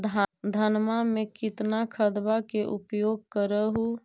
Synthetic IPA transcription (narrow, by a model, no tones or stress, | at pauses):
d̪ʱad̪ʱənmamekit̪nakʰəd̪bakeʔupjoɡ̚kəɾəɦu